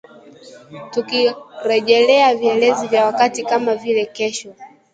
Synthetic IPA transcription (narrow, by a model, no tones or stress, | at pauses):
tukiɾɛʄɛlɛaviɛlɛzivjawakatikamavilɛkɛʃɔ